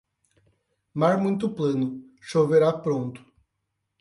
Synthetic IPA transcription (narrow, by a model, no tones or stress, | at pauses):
maɾmũjt̪ʊplɐ̃nʊ | ʃoveɾapɾõnt̪ʊ̥